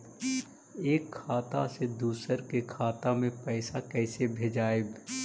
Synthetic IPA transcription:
eːkʰːaːt̪a̰sed̪uːsəɾkekʰaːt̪amẽpɛɪsakɛːsebʱeːd͡ʒaːeb

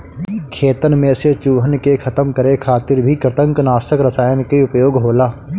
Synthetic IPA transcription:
kʰeːt̪ənmẽset͡ʃuːɦənkekʰɐt̪əmkəɾekʰaːt̪ɪɾbʱikɾɪt̪ə̃ŋknaːsəkɾəsaːjənkiʊpjoːɡɦoːlaː

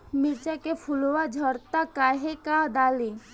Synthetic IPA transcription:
mɪɾt͡ʃakepʰʊlowad͡ʒʱɔɾt̪akaːɦekad̪aːli

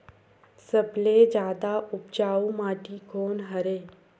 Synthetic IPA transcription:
səbled͡ʒjaːd̪aʊp̚d͡ʒaːumaːʈikoːnɦɐɾeː

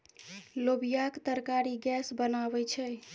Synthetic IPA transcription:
lobijakt̪əɾkaɾiɡɛsbənaβɛt͡ʃʰɛ

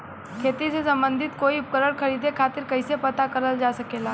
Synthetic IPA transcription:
kʰeːt̪isesə̃mbə̃nd̪ʱɪt̪koːiʊp̚kəɾəɽkʰəɾiːd̪ʱekʰaːt̪ɪɾkəɪsepət̪akəɾəld͡ʒasəkelaː

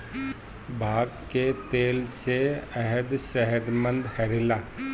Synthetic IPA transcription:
bʱaːɡket̪eːlseɛɦəd̪ʃɛɦəd̪mə̃nd̪hɛːɾɪlaː

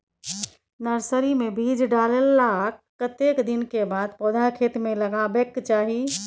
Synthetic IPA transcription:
nəɾsəɾimebʱid͡ʒʱɖalelːakkːət̪ekd̪inkebad̪pɔd̪ʱakʰet̪meləɡabekt͡ʃaɦi

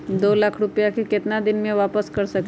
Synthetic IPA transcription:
d̪olakʰɾupjakiket̪nad̪inmẽʋapəskəɾsək

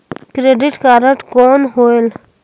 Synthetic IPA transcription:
kɾeːɖɪʈkaːɾəʈkoːnɦoːel

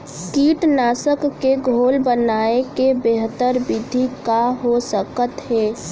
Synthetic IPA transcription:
kiːʈnaːsəkːeɡʱoːlbənaːekebeɦət̪əɾbɪd̪ʱikaɦosəkət̪ɦɛː

